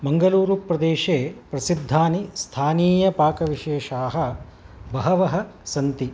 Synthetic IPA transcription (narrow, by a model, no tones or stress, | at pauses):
mɐŋɡɐluːɾupɾɐd̪eːʃeːpɾɐsid̪ʱːaːnist̪ʰaːniːjɐpaːkɐʋiʃeːʃaːɦɐ | bɐɦɐʋɐɦɐsɐnt̪i